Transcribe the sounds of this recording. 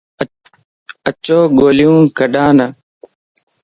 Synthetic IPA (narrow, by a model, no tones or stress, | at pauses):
ət͡ʃoːɡoːlɪjũːkəɗãːnə